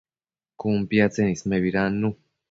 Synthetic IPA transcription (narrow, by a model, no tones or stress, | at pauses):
kumpiat͡senismeβiɾanːu